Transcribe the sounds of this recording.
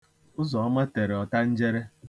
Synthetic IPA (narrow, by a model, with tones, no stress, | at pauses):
ʊ˦zɔ˨ɔ˦ma˦te˨ɾe˨ɔ˨ta˦n̩˦d͡ʒe˦ɾe˦